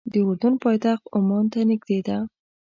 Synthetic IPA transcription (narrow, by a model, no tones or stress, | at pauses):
d̪əʊɾd̪unpɑjt̪axt̪ʊmɑnt̪anɪɡd̪ed̪a